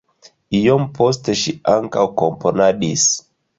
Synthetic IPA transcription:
ijɔmpʰɔstɛʃiaŋkaukɔmpɔnaɗis

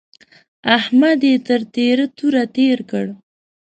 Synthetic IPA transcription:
ahmad̪jet̪əɾt̪eɾət̪uɾat̪eɾkəɽ

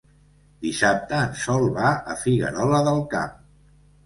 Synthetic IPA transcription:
d̪isap̚t̪əːnsɔlˠβaə̰fiɣə̰ɾɔləðəlˠka̰m

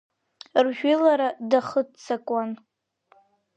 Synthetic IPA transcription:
rʒᶣilaɾadaχətt͡sʰakʷʼan

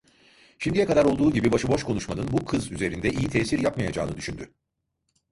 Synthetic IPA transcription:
ʃimd̪ijɛkad̪aɾo̞lˠd̪uːɟibibaʃɯbo̞ʃkʰo̞nuʃmanɯnbukʰɯzyze̞ɾind̪ɛʔijit̪ʰɛːsiɾjapmajad͡ʒa̰ːnɯd̪yʃynd̪y

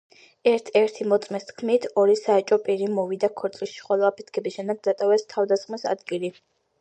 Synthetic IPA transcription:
ɛɾt̪ʰɛɾt̪ʰimɔt̪sʼmɛst̪kʰmit̪ʰɔɾisaɛt͡ʃʼɔpʼiɾimɔvid̪akʰɔɾt̪sʼlisʃi̥χɔlˠɔapʰi̥t̪̚ʰkʰɛbisʃɛmd̪ɛɡ̪̚zat̪ʼavɛst̪ʰavd̪asχmisa̰d̪ɡili

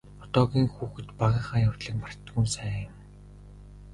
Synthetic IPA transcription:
ɔt̪ɔːɣʲiːŋxuːxɘ̆t̪paʁiːŋχaːjaw̥ʲt̪ɮɘ̆k̚par̥t̪ɡuːnsæːɪ̆m

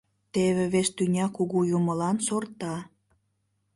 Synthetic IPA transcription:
t̪eβeβeʃt̪ynʲɑkuɣujuməlɑnsort̪ɑ

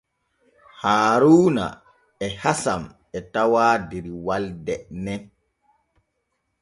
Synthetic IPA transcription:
haːɾuːna̰ | ɛhasam | ɛtawaːdeɾiwaldɛnɛn

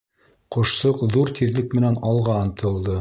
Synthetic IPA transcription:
qŏʃsɤqðuɾt̪ʰiðlɘk̚mɘ̆nænɑlˠʁɑɤ̆nt̪ʰɤ̆lˠd̪ɤ

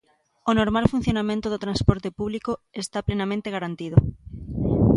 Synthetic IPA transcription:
onoɾmalfun̟θjonamẽnt̪oðot̪ɾãnspoɾt̪epuβ̞likoest̪aplenamẽnt̪eɣaɾant̪iðo

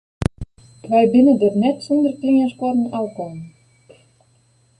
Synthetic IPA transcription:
vɑjbinɘ̆d̪ɤ̆rnæt̪sɤ̆nd̪ɤ̆rt̪lʲiŋʲæʃkɑɾɤ̆nɑlkɑn

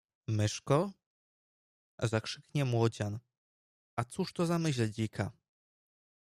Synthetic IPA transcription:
mɘʂkɔ | zakʂɘkɲɛmwɔd͡ʑan | at̪suʂt̪ɔzamɘɕlɛd͡ʑikʰa

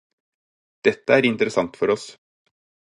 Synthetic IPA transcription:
d̪̥ɛt̪ːəæːɾɪnt̪əɾəsɑŋt̪fɔɾɔs

